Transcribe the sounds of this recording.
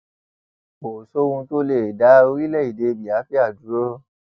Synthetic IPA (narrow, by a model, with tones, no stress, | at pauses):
o˨so˦wũ˧to˦le˨da˨˦o˧ɾi˦lɛ˦˨i˨de˧bi˨a˨˦fi˦a˦˨du˨˦ɾo˦